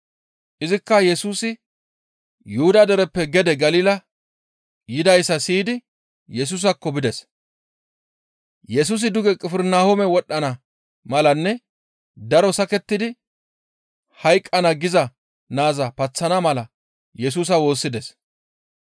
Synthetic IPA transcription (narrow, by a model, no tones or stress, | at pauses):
ʔɪzɪkːɐjɛsuːsɪ | jʊhʊd̪ɐd̪ɛɾɛpːɛɡɛd̪ɛɡɐliːlɐ | jɪd̪ɐjsːɐsiːd̪ɪ | jɛs̬uːs̬ɐkːɔbɪd̪ɛs | jɛs̬uːs̬ɪd̪ʊɡɛkʼɪfɪɾnaːhɔmɛwɔɗːɐnɐ | mɐlɐnːɛ | d̪ɐɾɔsɐkɛt̪ːɪd̪ɪ | hɐjkʼːɐnɐɡɪzɐ | naːzɐpɐt͡sːɐnɐmɐlɐ | jɛs̬uːs̬ɐwo̞ːsːɪd̪ɛs